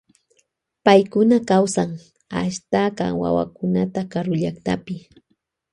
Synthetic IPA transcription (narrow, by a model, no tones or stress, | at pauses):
pajkʊnakawsaŋ | a̰ʃt̪aɢɑ̰wa̰wa̰kʊnat̪akaɾʊʎakt̪apɪ